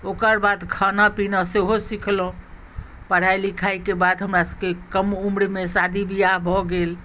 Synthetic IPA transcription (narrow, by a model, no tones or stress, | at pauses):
okəɾbad̪kʰanapinaseɦosikʰlõ | pəɽ̤ajlikʰajkebad̪ɦəmɾasəbkekəmumɽmesad̪ʱibʱijabʱɔɡel